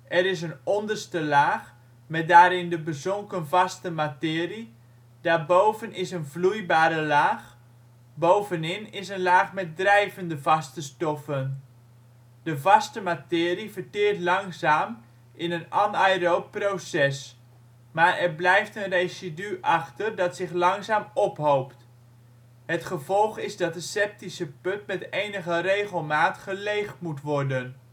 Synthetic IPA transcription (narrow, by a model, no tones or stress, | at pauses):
ʔɛɾɪsənɔndərstəlaːx | mɛt̚daːɾɪndəbəzɔŋkənvɑstəmatɪːri | daːrbowvənɪsənvlujbaːɾəlaːx | bowvənɪnɪsənlaːxmɛt̚drɛjvəndəvɑstəstɔfən | dəvɑstəmatɪːrivərtɪərtlɑŋzaːm | ʔɪnənɑnajrowprowsɛs | maːɹɛɹblɛjftənrejsidyʔɑχtərdɑtsɪχlɑŋzaːmɔpɦowpt | ɦətχəvɔlˠχɪzdɑt̚dəsɛp̚tisəpɵtmɛtejnəχərejχəlˠmaːtχəlejχtmutʋɔɹdən